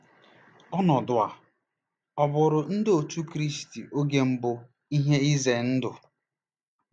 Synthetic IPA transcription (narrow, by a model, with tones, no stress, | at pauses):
ɔ˦nɔ˨dʊ˨a˨ | ɔ˨bʊ˨ɾʊ˨n̩˦dɪ˦o˨tu˦kɾi˦sti˨o˦ɡe˦m̩˦bʊ˦ | i˦ɦe˦i˦ze˨n̩˦dʊ˨